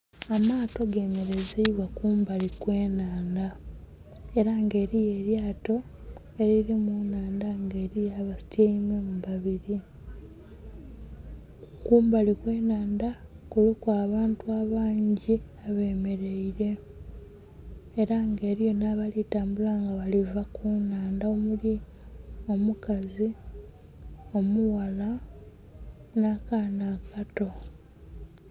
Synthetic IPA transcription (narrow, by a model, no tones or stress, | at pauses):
amaːto̞ɡeːme̞ɾe̞zeiβwakuːmbalikwe̞ːnaːnda | eɾaŋɡe̞ːɾije̞ːɾjaːto̞ | e̞ɾiɾimunaːndaŋɡe̞ːɾijaβasi̥tjeimwemuβaβiɾi | kuːmbalikwe̞ːnaːndakulukuaːβaːntuaβaːɲɟiaβe̞ːme̞ɾe̞iɾe̞ | ɾaŋɡe̞ːɾijo̞naβalitaːmbulaŋɡaβalivakunaːndaomuli | o̞mukazi | o̞muwala | naːkanakato̞